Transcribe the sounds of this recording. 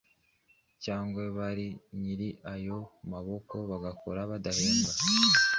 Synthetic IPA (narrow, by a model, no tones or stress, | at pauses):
caːŋɡwe̞βaɾiɲiɾiʔajo̞maβo̞ko̞βaɡakoɾaβadaheːŋɡwa